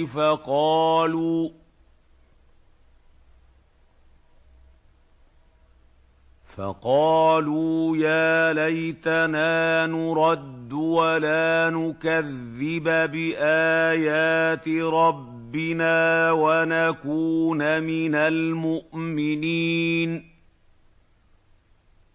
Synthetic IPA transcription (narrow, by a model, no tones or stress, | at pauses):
faqɑːluː | fɑ̰qɑːluːjaːlajt̪anaːnʊɾˤɑd̪ːwalaːnʊkaðːɪbabɪʔaːjaːt̪ɪɾˤɑbbːɪnaːwanakuːnamɪnalmʊʔmɪniːn